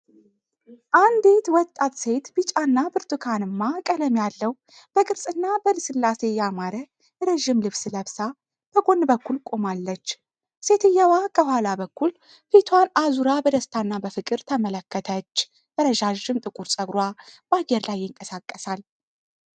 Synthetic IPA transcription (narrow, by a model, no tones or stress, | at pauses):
ʔand̪et̪wɔt̪ʼːat̪se̞t̪bɨt͡ʃʼanːabɨɾt̪ukʰanɨmːakʼələmjalːəw | b̥əkʼɨɾsʼɨnːabəlɨsɨlːase̞jamaɾə | ɾeʒːɪmlɨβsləβsa | b̥əɡo̞nːbəkʰːulkʼomalːət͡ʃː | se̞t̪ɨjːawakʰəhʷalabəkːul | fet̪ʰwanazuɾabəd̪əst̪ʰanːabəfɨkʼɨɾt̪ʰəmələkːət̪ʰət͡ʃː | b̥əɾəʒaʒɨmt̪ʼɨkʼuɾsʼəɡɾwabajɛɾlajːɪŋkʼəsakʼːəsal